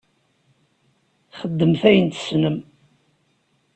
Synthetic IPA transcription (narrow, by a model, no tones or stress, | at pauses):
χəd̪ːəmθæjənt̪snəm